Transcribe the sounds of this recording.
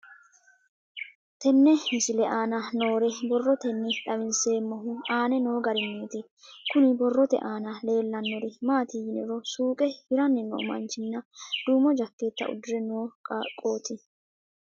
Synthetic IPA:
t̪ɛnːɛɪsɪlɛʔaːnɐno̞ːɾɛbɔrːɔt̪ɛnːɪᶑɐβɪnseːmːɔɦʊaːnɛno̞ːɡɐɾɪmːeːt̪ɪ | kʊnɪbɔrːɔt̪ɛ̰ʔaːnɐle̞ːlːɐnːɔɾɪmaːt̪ijɪnɛ̰ɾɔsuːkʼɛhɪɾɐnːɛnːo̰ːmɐ̰nt͡ʃɪnːɐd̪̥uːmɔd͡ʒɐkːeːt̪ːɐ̰ʔʊ̰d̪ʊɾɛnoːkʼo̞ːt̪ɪ

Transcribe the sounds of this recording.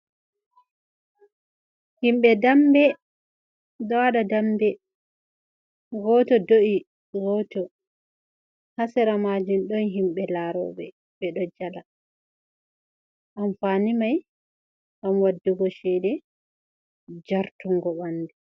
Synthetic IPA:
himɓɛdambɛ | dɔaɗadambɛ | ɡɔtɔdoʔi | ɡɔtɔ | hasɛɾamad͡ʒinɗɔnɦimɓɛlaɾɔ̰bɛ̰ | ɓɛɗɔd͡ʒala | ʔamfaːnimaj | ʔamwadːuɡɔʃɛdɛ | d͡ʒaɾtuŋɡɔɓanːdɛ

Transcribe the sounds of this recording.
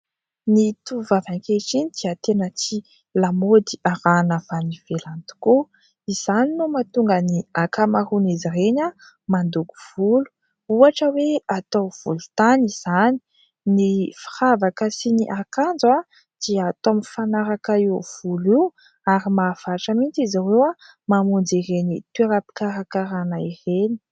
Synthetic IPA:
nit̪uvavaŋkeʈ͡ʂinid̪̥iat̪enət͡si | lamod̪iaɾanəvaniv̥elant̪u̥ku | iz̥aninumat̪uŋɡəniakamaɾuniziɾeɲa | mand̪uku̥v̥ulu̥ | uaʈ͡ʂəweat̪owv̥ulut̪aniz̥ani̥ | nifi̥ɾavakəsiniʔakand͡za | d̪̥iat̪omifanaɾakaiuv̥uliw | aɾimaːfaʈ͡ʂəmint͡sizawewa | mamund͡ziɾenit̪eɾapi̥kaɾakaɾanaireni̥

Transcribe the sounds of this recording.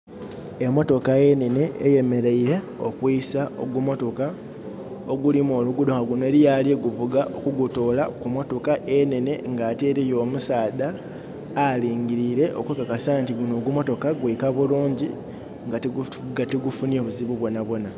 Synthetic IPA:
emo̞to̞kaje̞ne̞ne̞ːje̞me̞ɾe̞iɾe̞ | o̰kwiisao̰ɡumo̞to̞ka | oɡulimoːluɡudoxaɡunoeːɾijalieɡuvuɡaʔokuɡutolakumo̞to̞kaʔe̞ne̞ne̞ŋɡaːteːɾijo̞ːmusaːðaː | liːŋɡiɾiɾe̞ʔo̰kwekakasantiɡuno̞ɡumo̞to̞kaɡwiːkaβuluːɲɟi | ŋɡat | ɡatiɡufunioβuziβuβwo̞naβwo̞na

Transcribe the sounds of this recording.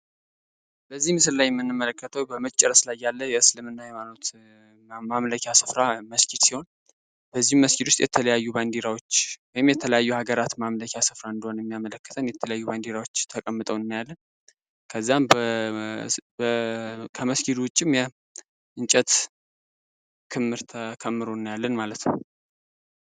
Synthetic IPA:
bəzːihmɨs̬ɨllajɛmːɨnːɨmːələkːət̪ʰəwbəmət͡ʃʼːɛɾəslajːalːəjɛɨslɨmɨnːajɛmalut̪ | mamləkʰasɨfɾaməskʰid̪siho̞n | b̥əzːihmːəskit̪wʊst̪jɛ̰t̪ʰələjajːuband̪eɾawot͡ʃːwɔjɪmjɛt̪ʰələjajːuhaɡəɾat̪mamləkʰʲasɨfɾaɨnd̪əho̞njɛmːijamələkːət̪ʰənjɛt̪ʰələjajːuband̪eɾawo̞t͡ʃːt̪ʰəkʼəmːɨt̪ʼəwɨnːjalːən | kʰəzːamb | kʰəməskid̪wʊt͡ʃʼːɪmjɛ | ʔɨnt͡ʃʼɛt̪ | kʰɨmːɨɾt̪ʰəkʰəmːɨɾonːajalːənmalət̪nəw

